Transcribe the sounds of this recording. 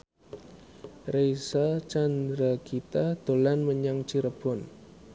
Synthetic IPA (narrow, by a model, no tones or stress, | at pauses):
rejsat͡ʃand̪ɾakit̪ad̪̥o̤lanməɲaŋt͡ʃiɾəb̥ɔn